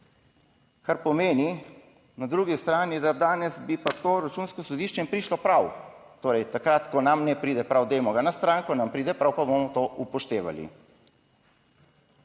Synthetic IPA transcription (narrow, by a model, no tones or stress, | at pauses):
kaɾpɔmeːni | nad̪ɾuːɡist̪ɾaːnid̪ad̪aːnɛsbipat̪oːɾat͡ʃuːnskɔsɔd̪iʃt͡ʃɛmpɾiʃlɔpɾawt̪oːɾɛjt̪akɾat̪kɔnamnɛpɾiːd̪ɛpɾawd̪ɛjmɔɡanast̪ɾaːŋkɔnampɾiːd̪ɛpɾawpabomɔt̪oʔupɔʃt̪eːʋa̰lḭ